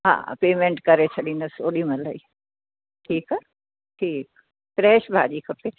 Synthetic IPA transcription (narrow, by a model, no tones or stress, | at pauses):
ɦã̰ːpeːmẽɳʈkɐɾet͡ʃʰɐɗinɐsoːɗimɐ̃ləi | ʈʰiːkɛ | ʈʰiːk̚ | fɾɛːʃbʱaːʄiːkʰɐpe